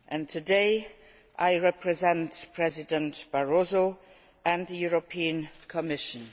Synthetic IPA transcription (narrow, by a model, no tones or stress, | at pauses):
ʔɨ̃ntʰɨdeɪ | ʔaɪɹɛpʰɹɛzɛ̃ntpʰɹ̥ɛzɪdə̃ntb̥aɹozo | ə̃nðəjuɹopʰiə̃nkʰɔmɪʃə̃n